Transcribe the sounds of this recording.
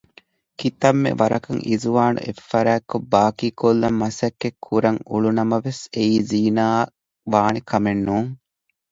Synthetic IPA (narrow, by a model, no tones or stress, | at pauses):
kit̪ɐmːḛʋɐɾɐkɐŋʔizuʋaːnṵʔḛfːɐɾæːkːobaːkiːkolːɐmːɐsɐkːekʰːuɾɐŋuɭunɐmɐʋeseiːziːnaː | ʋaːnikɐmenːuːŋ